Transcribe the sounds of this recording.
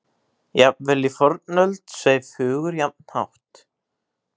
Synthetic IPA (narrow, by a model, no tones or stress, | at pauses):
japvɛlifɔɾt̪̚nœlt̪seːjfʏːɣʏɾjap̚n̥ha̰wht̪